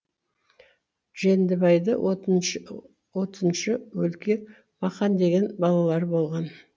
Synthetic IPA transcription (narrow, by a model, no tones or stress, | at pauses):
ʒend̪ɪbɑjd̪ə | wot̪ənʃəwɵlkʲe | mɑqɑnd̪e̞ɡʲe̞nbɑlˠɑlˠɑɾbo̞lˠʁɑn